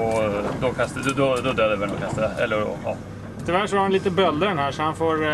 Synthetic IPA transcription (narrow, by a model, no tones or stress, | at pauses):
ɔd̪ɔkʰast̪əd̪d̪ɔd̪ɔd̪øːd̪ɛvɛlɔkʰast̪əɛ̰lːəɾɔ̰ɑ̰ː | t̪ʰɪvæʂɔaɾhanliːt̪əbœld̪ənhæːʂɔhanfoːɾ